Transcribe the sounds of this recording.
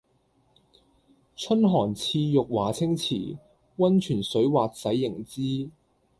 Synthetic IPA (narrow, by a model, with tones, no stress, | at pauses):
t͡ʃʰɵ˥nɦɔː˨˩nt͡sʰiː˧jʊ˨k̚waː˨˩t͡sʰɪ˥ŋt͡sʰḭː˨˩ | wɐ˥nt͡ʃʰyː˨˩nsɵ˨˥waː˨t̚sɐ˨˥jːɪ˨˩ŋt͡siː˥